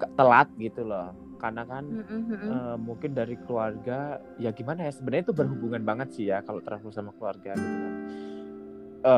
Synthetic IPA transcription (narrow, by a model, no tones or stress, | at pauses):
kat̪əlat̪̚ɡit̪ulɔh | karnakanəːmuŋkɪndaɾikəluarɡa | jaɡimanajasəbənərɲit̪ubərɦubuŋanbaŋət̪̚sɪhjakaloʔt̪əɾapulsamakəluarɡa | ə